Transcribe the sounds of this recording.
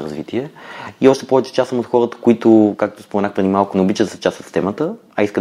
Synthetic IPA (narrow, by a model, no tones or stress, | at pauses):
ɾə̰zvḭt̪ʰiɛiɔʃt̪ɛ̥pɔvɛt͡ʃɛ̥t͡ʃasəmot̪xɔɾət̪ə̥kʊit̪ʊkak̚t̪ospomɛnaxpɾɛd̪imalˠkʊnɛobit͡ʃəd̪sɛ̥t͡ʃast̪vət̪st̪ɛmət̪ə | ɐiskə